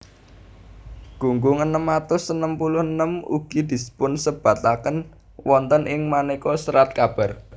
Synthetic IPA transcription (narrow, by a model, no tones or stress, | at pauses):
ɡ̥ṳŋɡʊŋənəmat̪ʊsənəmpulʊhənəmṵɡ̥i̤d̪̥i̤sə̥pʊnsəb̥ä̤t̪akən | wɔnt̪ənʔɪŋmanekɔsəɾat̪̚kab̥a̤r